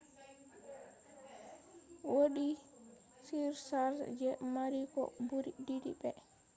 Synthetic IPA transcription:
woɗi | siɾsaɾd͡ʒɛmaɾikɔ̰buɾididḭbɛ

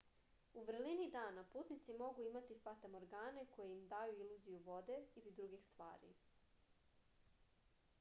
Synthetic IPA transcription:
uʋr̩linid̪aːnapuːt̪nit̪simo̞ɡuimat̪ifat̪amoɾɡaːne̞ko̞jeimd̪ajuiluzijuʋo̞d̪e̞ilid̪ɾuɡixst̪ʋa̰ːɾḭ

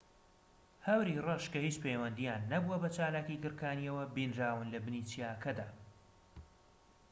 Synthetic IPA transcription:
hɐwɾirɐʃkɐhiːt͡ʃpʰejwɐnd̪ijaːnːɐbuwɐbɐt͡ʃaːlaːkikɨɾkaːniɐwɐbinɾaːwɨnlɐbɨnit͡sijaːkʰɐd̪aː

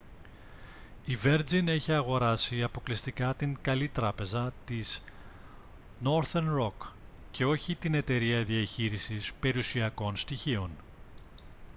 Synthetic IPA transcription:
ive̞ɾd͡zine̞çiɐɣo̞ɾɐsiɐpo̞klist̪ikɐt̪iŋkɐlit̪ɾɐpe̞zɐt̪iz̥ | no̞ɾθenɾo̞k | ce̞o̞çit̪ine̞t̪e̞ɾiɐðiɐçiɾisispe̞ɾiusiɐko̞nst̪içio̞n

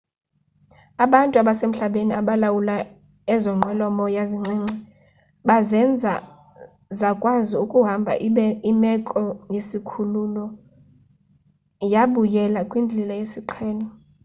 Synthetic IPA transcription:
aɓantʼuaɓasem̩ɬaɓeniaɓalawula | ɛzɔŋ͡ǀʱɛlɔmɔjaziŋ͡ǀɛːŋ͡ǀʱɛ | ɓazɛnd͡zʱa | zakʼwaziukʼuɦambʱa̰imɛkʼɔjesikʰululɔ | jaɓujɛlakʼwind͡ɮʱilajesiǃʰɛːlɔ

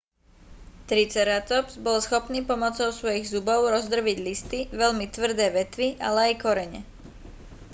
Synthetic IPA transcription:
t̪ɾit͡sɛɾat̪ɔpzbɔlsxɔpniːpɔmɔt͡sɔʊsʋɔjiɣzubɔʊɾɔzd̪r̩ʋiɟlist̪iʋɛʎmit̪ʋr̩d̪ɛːʋɛt̪ʋiʔa̰lɛajkɔɾɛɲɛ̰

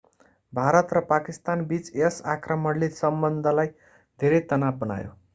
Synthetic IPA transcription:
bʱaɾʌt̪rʌpakist̪anbit͡sesakrʌmʌɽlisʌmbʌnd̪ʱʌlaj | d̪ʱeɾʌjt̪ʌnab̚bʌna̰jo̰

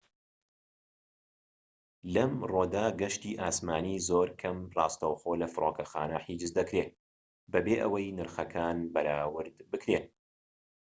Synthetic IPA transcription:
lɐmroːd̪aːɡɐʃt̪iːʔaːsmaːniːzoːɾkʰɐmrˤɑːst̪ɐwxoːlɐfɨɾʔoːkɐxa̰ːnɐħiːd͡ʒɨzd̪ɐkɾeː | bɐbeːʔɐ̰wɐjnɨɾxɐkʰaːnbɐɾaːwɨɾd̪bɨkɾen

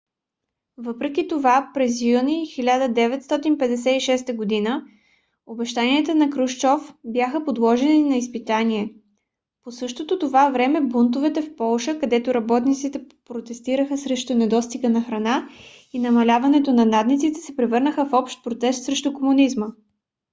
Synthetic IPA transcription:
vɤpɾɛk̟it̪ovapɾɛzjunixilʲad̪əd̪ɛvɛt̪st̪ɔt̪inpɛd̪ɛsɛiʃɛst̪əɡod̪inə | obɛʃt̪aniɛt̪ənɐkɾuʃt͡ʃɔfbjaxəpod̪lˠɔʒɛninɐispit̪aniɛ | posɤʃt̪ot̪ot̪ovavɾɛmɛbunt̪̬ʊvɛt̪ɛfpɔlˠʃəkɐd̪ɛt̪ʊɾɐbɔt̪nit̪sit̪ɛ | pɾot̪ɛst̪iɾəxəsɾɛʃt̪ʊnɛd̪ɔst̪iɡənɐxɾɐna | inɐmɐlʲavɐnɛt̪onɐnad̪nit̪sit̪ɛ̥sɛpɾɛvɤɾnəxəfɔpʃt̪̚pɾot̪ɛst̪sɾɛʃt̪ʊkomunizmə

